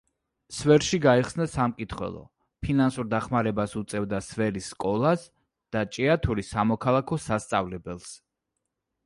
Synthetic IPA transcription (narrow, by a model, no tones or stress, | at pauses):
svɛɾʃiɡaiχsnasamkʼit̪ʰχwɛ̰lˠɔ̰ | pʰinansuɾd̪aχmaɾɛbasut̪sʼɛvd̪asvɛliskʼɔlˠas | d̪̥at͡ʃʼɛat̪ʰuɾisamɔkʰalˠakʰɔsast̪sʼavlɛbɛlˠs